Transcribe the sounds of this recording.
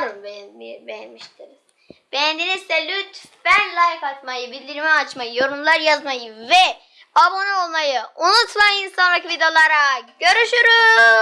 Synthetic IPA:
ɾɯmbɛibejɛnmiʃt̪ʰiɾiz̥ | b̥ɛjɛnd̪inizd̪ɛlʲyt̪fænlˠajkat̪majɯbilʲd̪iɾmɛat͡ʃmajɯjo̞ɾumllˠaɾjazmajɯvɛ | abo̞nuolˠmajɯunut̪mainsanlˠakvid̪eo̞lˠaɾaɟø̞ɾyʃyɾy

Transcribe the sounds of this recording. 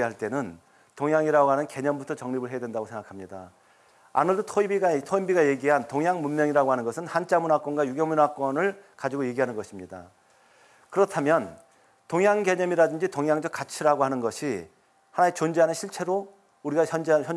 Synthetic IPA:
iɦaɭt͈e̞nɯn | toŋjaŋiɾaɡoɦanɯnke̞ɲʌmbutʰʌt͡ɕʌŋɲibɯɭɦeadwe̞ndaɡosʰe̞ŋɡakʰamɲida̰ | a̰nɯɭdotʰoibiɡatʰoibiɡaje̞ɡiɦantoŋjaŋmunmjʌŋiɾaɡoɦanɯnɡʌsʰɯnhant͡ɕ͈amunak͈wʌnɡwajuɡjʌmunak͈wʌnɯɭkad͡ʑiɡoje̞ɡiɦanɯnɡʌɕʰimɲida̰ | kɯɾʌtʰamjʌn | toŋjaŋɡe̞ɲʌmiɾadɯnd͡ʑitoŋjaŋd͡ʑʌk͈at͡ɕʰiɾaɡoɦanɯnɡʌɕʰi | hanaet͡ɕond͡ʑeɦanɯnɕʰiɭt͡ɕʰe̞ɾo | uɾiɡaʌnd͡ʑçjʌ

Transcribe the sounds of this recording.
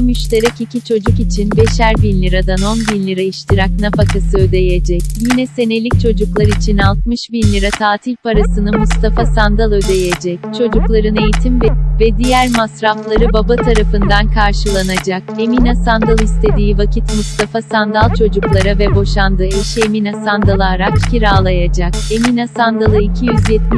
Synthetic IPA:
myʃt̪ʰe̞ɾɛcicʰit͡ʃʰo̞d͡ʒukit͡ʃʰinbe̞ʃæɾbinʲlʲiɾad̪ano̞nbinlʲiɾaiʃt̪ʰɯɾaknafakʰasɯø̞d̪e̞jed͡ʒɛcjinɛse̞ne̞lʲic̚t͡ʃʰo̞d͡ʒuklˠaɾit͡ʃʰinalˠt̪̚mɯʃbinʲlʲiɾat̪ʰaːt̪ʰilʲpaɾasɯnɯmust̪ʰafasand̪alˠø̞d̪e̞jed͡ʒɛct͡ʃʰo̞d͡ʒuklˠaɾɯne̞jit̪ʰimvɛvɛd̪ijæɾmasɾaflˠaɾɯbabat̪ʰaɾafɯnd̪ankʰaɾʃɯlˠanad͡ʒake̞minasand̪alˠist̪ʰe̞d̪iːvacʰit̪must̪ʰafasand̪alˠt͡ʃʰo̞d͡ʒuklˠaɾavɛbo̞ʃand̪ɯːeʃeminasand̪alˠaɾakcʰiɾaːlˠajad͡ʒake̞minasand̪alˠɯicʰijyzjɛt̪̚m

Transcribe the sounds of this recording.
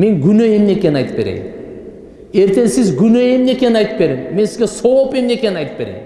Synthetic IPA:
me̞ŋɡynøemnekʲe̞nɑjt̪ɯ̥pːe̞ɾḛjḭm | e̞ɾt̪e̞nsizɡynøemnekʲe̞nɑjt̪ɯ̥pːe̞ɾemːe̞nsizɡʲesoope̞mneke̞nɑjt̪ɯ̥pːe̞ɾejim

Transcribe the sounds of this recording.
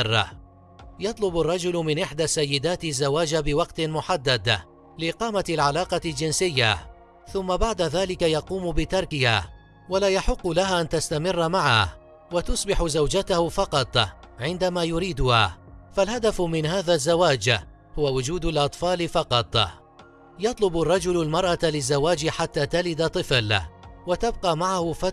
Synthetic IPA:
r̰ː | jɑt̪ˤlʊbarˤːɑd͡ʒʊlmɪnʔɪħd̪asːajːɪd̪aːt̪ɪzːawaːd͡ʒabɪwɑqt̪ɪmʊħad̪ːad̪ | lɪʔɪqɑːmaalʕalaːqɑld͡ʒɪnsɪjːa | θʊmːabaʕd̪aðaːlɪkajɑquːmbɪt̪ɑɾˤkɪha̰ː | walaːjaħɪqːʊlaɦaʔant̪ast̪amɪrːmaʕa̰ | wat̪ʊsˤbɪħʊzawd͡ʒat̪ahʊfɑqɑt̪ˤʕɪnd̪amaːjʊɾiːd̪ʊhaːfalhad̪afmɪnɦaːðaːzːawaːd͡ʒ | hʊwawʊd͡ʒuːd̪alʔɑt̪ˤfɑːlɪfɑqɑt̪ˤ | jɑt̪ˤlʊbarˤːɑd͡ʒʊlalmɑɾˤʔɑlɪzːawaːd͡ʒɪħat̪ːaːt̪alɪd̪at̪ˤːɨflwat̪ab̚qɑːmaʕahʊfa

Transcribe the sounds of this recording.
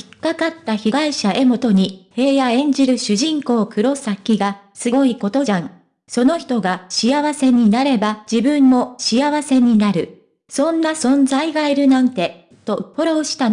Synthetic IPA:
i̥kːakat̪ːaçiɡaiɕaʔe̞mo̞t̪o̞ɲ̟ihe̞ːjaẽ̞ɲ̟d͡ʑiɾɯ̟ɕɨʑĩŋko̞ːkɯ̟ɾo̞sakʲːiɡa | sɨɡo̞iko̞t̪o̞ãŋ | so̞no̞çi̥t̪o̞ɡaɕijaβase̞ɲ̟inaɾe̞bad͡ʑibɯ̟̃mːo̞ɕijaβase̞ɲ̟inaɾɯ̟ | sõ̞nːasõ̞nzaiɡaiɾɯ̟nãnt̪e̞ | t̪o̞hoɾaoɕi̥t̪a

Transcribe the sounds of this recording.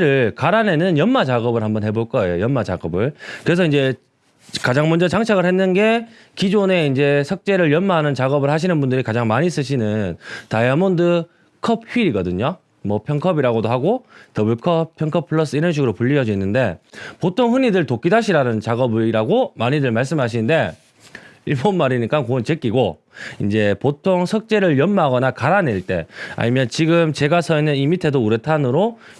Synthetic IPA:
ɾɯɭɭkaɾane̞nɯnjʌnmat͡ɕaɡʌbɯɭhambʌnɦe̞boɭk͈ʌe̞jojʌnmat͡ɕa̰ɡʌbɯɭkɯɾe̞s̬ʰʌind͡ʑe̞ | kad͡ʑaŋmʌnd͡ʑʌt͡ɕaŋt͡ɕʰaɡɯɭɦe̞nːɯnɡe̞ | kid͡ʑone̞ind͡ʑe̞sʰʌk̚t͡ɕ͈e̞ɾɯɭjʌnmaɦanɯnt͡ɕaɡʌbɯɭhaɕ̬ʰinɯnbundɯɾikad͡ʑaŋmaɲis͈ɯɕʰinɯntajamondɯ | kʰʌp̚hɥiɾiɡʌdɯɲo | mʌpʰjʌŋkʰʌbiɾaɡodoɦaɡotʌbjuɭkʰʌp̚pʰjʌŋkʰʌpʰɯɭːʌs͈ɯiɾʌnɕ̬iɡɯɾopuʎːiʌd͡ʑuinːɯnde̞potʰoŋɦɯnidɯɭtok͈idaɕʰiɾanɯnt͡ɕaɡʌbiɾaɡomaɲidɯɭmaɭs̬͈ɯmɦaɕ̬ʰinɯnde̞ | iɭbonmaɾiɲik͈ankont͡ɕek͈iɡo | ind͡ʑe̞potʰoŋsʰʌk̚t͡ɕ͈e̞ɾɯɭjʌnmaɡʌnakaɾaneɭt͈e̞̰a̰ɲimjʌnt͡ɕiɡɯmt͡ɕe̞ɡasʰʌinːɯnimitʰe̞douɾetʰanɯɾo

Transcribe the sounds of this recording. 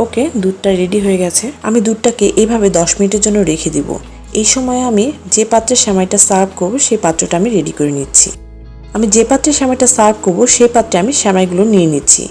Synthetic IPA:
oked̪uʈʈaɾɾeɖiɦoeɡɛt͡ɕʰeamid̪uʈʈakeʔebʱabed̪ɔʃminiʈeɾd͡ʑonːoɾekʰed̪ibo̰ | ejʃɔmɔeamid͡ʑepat̪ːɾeɾʃamajʈasab̚ʱkoɾboʃejpat̪ːɾoʈaamiɾeɖikoɾenitːɕʰḭ | amid͡ʑepat̪ːɾeɾʃamajʈasab̚ʱkoɾboʃejpat̪ːɾeamiʃɛmajɡulonienitːɕʰḭ

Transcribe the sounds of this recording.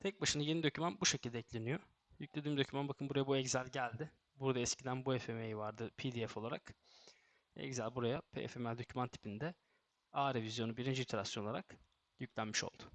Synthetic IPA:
t̪ʰɛc̚baʃɯnaje̞nid̪o̞cʰymænbuʃecʰilʲd̪ɛclʲe̞nijo | jyclʲed̪iːmd̪ø̞cʰymanbakʰɯnbuɾajabuɛɟzælʲɟælʲd̪ɪ | buɾd̪aɛscʰid̪ænbuefemejivaɾd̪ɯpʰid̪iɛfo̞lˠaɾak | ɛ̰czælʲbuɾajapʰḛḛfemɛld̪o̞cʰymant̪ʰi̥pʰind̪ɛ | aːɾevizjo̞nubiɾind͡ʒit̪ʰeɾasjonolˠaɾak | jyclʲænmiʃo̞̰lˠd̪̥ʊ

